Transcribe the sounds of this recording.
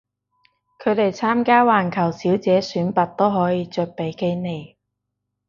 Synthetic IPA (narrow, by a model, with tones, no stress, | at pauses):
kʰɵ˨˧ɥt̪e˨˩jt͡sʰaː˥mkaː˥waː˨nkʰɐ˨˩wsiː˨˥wt͡sɛː˨˥syː˨˥npɐ˨t̚t̪o˥wɦɔː˨˥jiː˨˧t͡ʃœː˧k̚pe˨˥jke˥jne˨j